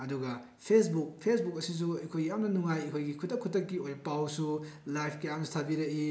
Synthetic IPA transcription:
ɐduɡɐ | pʰesbuk̚pʰesbuk̚ɐsis̬uɐkʰojɡijamnɐnuŋajɐkʰojɡikʰutːɐkʰːutːɐkːiojpawsulajpʰkejamstʰabiɾɐʔi

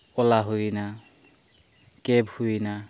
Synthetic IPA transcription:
ɔlaɦojina | kɛbhuina

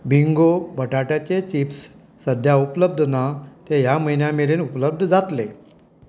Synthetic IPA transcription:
biŋɡobʱəʈaʈjat͡ɕet͡ɕifsː | əd̪ʱjaupləb̚d̪ʱnat̪ejam̤əjnjameliːnupləb̚d̪ʱd͡zat̪le

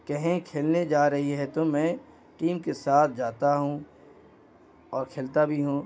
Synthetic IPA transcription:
kɛɦẽkʰeːlned͡ʒaːɾɐɦiɦɛt̪omɛ̃ː | ʈiːmkesaːt̪ʰd͡ʒaːt̪aɦũ | ɔːɾkʰeːlt̪abʱiɦũː

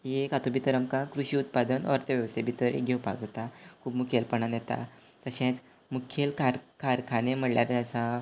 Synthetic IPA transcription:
jekat̪ubʱit̪əɾəmkãkɾuɕiːut̪̚pad̪ənə̰ɾt̪əʋjəʋst̪ebʱit̪əɾḛɡʱewpa̰kd͡zat̪akʰuːbmukʰelpəɳanjɛt̪a̰ | t̪əɕẽt͡s | mukʰelkʰaɾkʰaɾkʰanem̤əɽljaɾeəsa

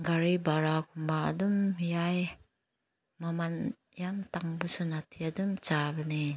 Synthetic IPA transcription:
ɡaɾibaɾakumbaa̰dumjaj | maman | jamtaŋbusunatʰiadumt͡ʃabəni

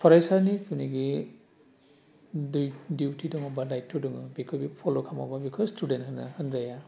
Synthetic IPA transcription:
pʰɔɾajsanistuniɡi | dujdiwtʰidɔŋɔbalajtʰːɔdɔŋɯbikʰɔbipʰɔlokʰama̰babikʰɔzstudenthɯna̰hɯnzaja

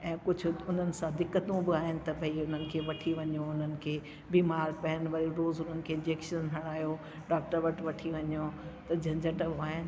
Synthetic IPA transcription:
ɛ̃ːkʊd͡ʑʱʊʊn̤ənɪ̆sãd̪ɪkːət̪ũbɪaːɦɪnɪ̆t̪ɐbʱɐiʊn̤ənɪ̆kʰeːʋɐʈʰiʋɐɲjoʊn̤ənɪ̆kʰeː | biːmaːɾpɐɦənʋɐɾiɾoːzʊnənɪ̆kʰeːɪ̃d͡ʑeːkʃənɦɐɽaːjo | ɖaːk̚ʈəɾʋɐʈʋɐʈʰiʋɐɲjot̪ɐd͡ʑʱɐ̃ɲd͡ʑəʈəbaːɦɪnɪ̆

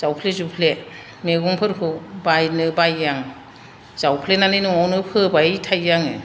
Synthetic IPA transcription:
z̥awpʰlezupʰle | meɡɔŋpʰɯɾkʰɯbajnɯbajːaŋ | z̥awpʰlenanɯjnɯŋɔwnɯpʰɯbajtʰajːaŋɯ̰

